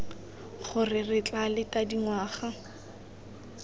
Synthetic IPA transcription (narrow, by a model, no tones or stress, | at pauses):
χʊrɪrɪt͡ɬʼalɪtʼadiŋwaːχa